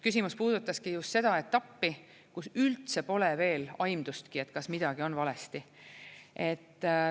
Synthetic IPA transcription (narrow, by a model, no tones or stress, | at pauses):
kysimuspuːd̪̥ut̪ːˑɑskijust̪se̞d̪̥ɑe̞t̪ːˑɑpːi | kusylt̪se̞po̞leve̞ːlɑjmd̪̥ust̪kie̞t̪ːˑkɑsmid̪̥ɑɡ̥io̞nvɑle̞st̪i | ʔe̞t̪ː